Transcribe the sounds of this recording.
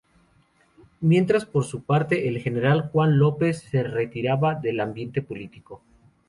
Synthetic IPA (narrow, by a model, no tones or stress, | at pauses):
mje̞nt̪ɾaspo̞ɾsupaɾt̪e̞ʔelxe̞ne̞ɾalxwanlo̞pe̞sːe̞re̞t̪iɾaβaðe̞lambje̞nt̪e̞po̞lit̪iko̞